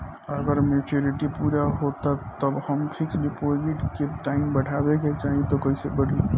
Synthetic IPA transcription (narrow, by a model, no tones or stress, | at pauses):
ɔɾəɡəɾmet͡ʃuɾiʈipuːɾaɦot̪at̪əbhəmpʰiksɖipoziʈkeʈaːɪmbəɽ̤ʱabeket͡ʃaːɦit̪okəisebəɽ̤i